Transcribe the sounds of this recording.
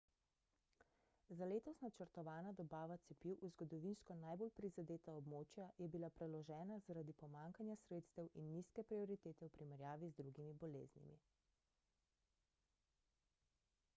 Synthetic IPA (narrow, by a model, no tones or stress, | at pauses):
zaleːt̪ɔsnat͡ʃəɾt̪ɔʋaːnad̪ɔbaːʋat̪sɛpiwʔuzɡɔd̪ɔʋinskɔnajbolpɾizad̪eːt̪aɔbmoːt͡ʃjajɛbilapɾɛlɔʒɛːnazaɾad̪ipɔmaŋkanjasɾeːt̪st̪ɛwʔinːiskɛpɾiɔɾit̪eːt̪ɛwpɾimɛɾjaːʋizd̪ɾuɡimibɔlḛːznḭmḭ